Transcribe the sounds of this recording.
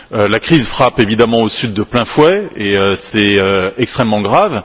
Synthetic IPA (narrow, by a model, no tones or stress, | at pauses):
ølakχizfχapevid̪amɑ̃osyd̪ːəplɛ̃fwɛeøsɛøɛkst̪χɛmːɑ̃ɡʁav